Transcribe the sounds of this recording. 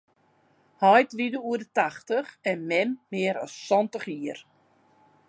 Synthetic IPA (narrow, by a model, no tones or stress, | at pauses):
hɔjtʋidəuədətaxtəxɛnmɛmːɪəɾɔ̰sːɔntəχiər